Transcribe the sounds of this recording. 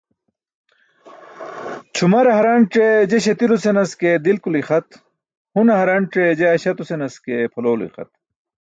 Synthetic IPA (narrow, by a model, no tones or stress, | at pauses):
t͡ɕʰumɐɾɦɐɾaɳʈ͡ʂed͡ʑeɕɐt̪iɾusenɐsked̪ilkuliχɐt̪ | hunɐɦɐɾɐɳʈ͡ʂed͡ʑeɐɕɐt̪usenɐskepʰɐloːlḭxɐ̰t̪̚